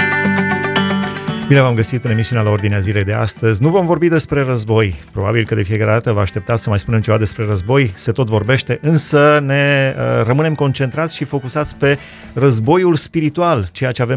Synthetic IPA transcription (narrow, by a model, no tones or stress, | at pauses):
binevamɡəsit̪ɨne̞misiunealao̞rd̪ineazile̞jd̪e̞a̰st̪əzʲnuvo̞mvo̞rbid̪e̞spɾe̞rəzbo̞jpɾo̞ba̰bilkəd̪e̞fije̞kaɾe̞d̪at̪əvaːʃt̪e̞pt̪at̪səmajspune̞mt͡ʃe̞vad̪e̞spɾe̞rəzbo̞jse̞t̪o̞t̪vo̞rbe̞ʃt̪e̞ʔɨnsəne̞ərəmɨne̞mko̞nt͡ʃe̞nt̪ɾat̪sʲʃifo̞kusat̪sʲpe̞ | rəzbo̞julspiɾit̪ualt͡ʃe̞jat͡ʃe̞avem